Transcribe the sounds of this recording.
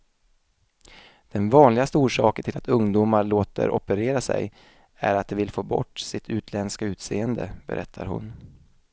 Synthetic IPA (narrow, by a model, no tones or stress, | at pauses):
d̪̥ɛnvɑːnlɪɡast̪əuːʂɑːkəɳʈʰɪlat̪ɵŋd̪umaɭoːt̪ə̰ɾʔɔpəɾeːɾasɛ̰j | æɾat̪̚d̪ɛvɪlfoːbɔ̰ʈːsɪt̪ʰʉ̟ːt̪ʰlɛnskaʉ̟ːt̪seːənd̪əbɛ̰ɾʔɛt̪ʰːaɾɦʊ̰n